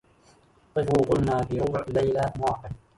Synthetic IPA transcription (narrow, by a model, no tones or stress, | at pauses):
t̪ˤɨfʊːqʊlnaːfiːɾʊbʕlajlamɑʕqɨn